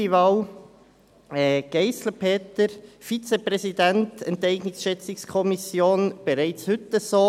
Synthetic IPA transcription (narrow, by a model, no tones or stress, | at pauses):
iʋɑːw | ɛːɡ̥eɪsləpʰeːtəɾfit͡sepʁɛsidæntɛntɛɪɡnɪksʃɛt͡sɪkskʰɔmisjoːnb̥ɛɾæɪt͡shʏtəsoː